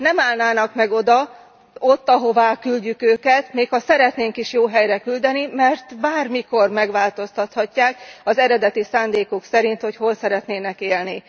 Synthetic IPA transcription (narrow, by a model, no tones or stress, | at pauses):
nɛmaːlnaːnɒkmɛɡo̞d̪ɒ | o̞t̪ːɒɦo̞vaːkylɟykøːkɛt̪meːkhɒsɛɾɛt̪neːŋkiʃjoːɦɛjrɛkyld̪ɛnimɛrt̪baːrmiko̞rmɛɡʋaːlt̪o̞st̪ɒt̪hɒcːaːkɒzɛɾɛd̪ɛt̪isaːnd̪eːkuksɛɾint̪ho̞cho̞lsɛɾɛt̪neːnɛkeːlni